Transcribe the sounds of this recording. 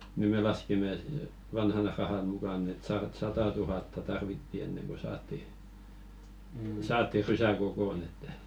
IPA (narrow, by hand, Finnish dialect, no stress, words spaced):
ni me lɑskimĕ et̆ ʋɑnhɑn rɑhɑn mukɑˑnˑ et sɑrɑt sɑtɑ tuhɑtːɑ tɑrʋitːi enːeŋ ko sɑːtːi sɑːtːi rysæ kokon etːæ